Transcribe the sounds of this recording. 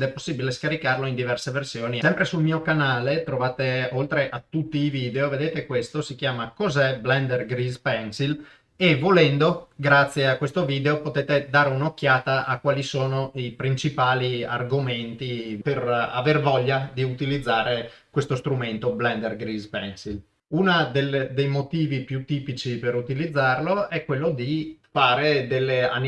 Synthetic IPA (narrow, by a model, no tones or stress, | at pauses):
d̪ɛpːosːibileskaɾikarloind̪ivɛrseversjoːnisɛmpɾesulmiːokanaːlet̪ɾovaːt̪eolt̪ɾeʔat̪ːut̪ːiːviːd̪eoved̪eːt̪ekwest̪osik̟jaːmakozɛblɛnd̪erɡɾizpɛnsil | evolɛnd̪oɡɾat̪sːjeakːwest̪oviːd̪eopot̪eːt̪ed̪aːɾeunok̟ːjaːt̪aʔakːwaːlisoːnoipɾint͡ʃipaːlia̰rɡoment̪ipera̰vervɔʎːad̪iut̪ilid̪zːaːɾekwest̪ost̪ɾument̪oblɛnd̪erɡɾizpɛnsil | unad̪eld̪ejmot̪iːvipjut̪ːiːpit͡ʃipeɾut̪ilid̪zːarloɛkːwelːod̪ifaːɾed̪elːea̰n